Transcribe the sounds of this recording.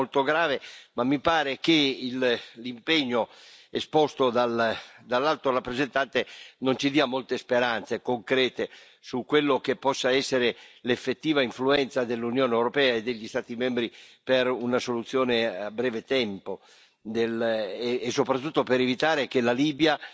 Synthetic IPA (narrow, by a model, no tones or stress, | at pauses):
olt̪oɡɾaːvemamːipaːɾek̟eillimpeɲːoespɔst̪od̪ald̪alːalt̪orapːɾezent̪ant̪enont͡ʃid̪iːamolt̪espeɾant̪sekoŋkɾɛːt̪e | sukːwelːok̟epːɔsːaɛsːeɾelefːet̪ːiːvaiɱfluɛnt̪sad̪elːunjoːneɛwɾopɛːaed̪ːeʎːist̪aːt̪imɛmbɾipeɾunasolut̪sːjoːneabːɾɛːvet̪ɛmpo | d̪elː | sːopɾat̪ːut̪ːopeɾevit̪aːɾekelaliːbja